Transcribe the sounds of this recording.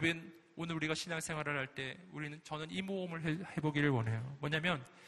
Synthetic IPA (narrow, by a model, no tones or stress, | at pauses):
ben | onɯɾuɾiɡaɕʰinaŋsʰeŋwaɾɯɭɦaɭt͈e̞uɾinɯnt͡ɕʌnɯnimoɯmɯɭɦehe̞boɡiɾɯɭwʌne̞jomwʌɲamjʌn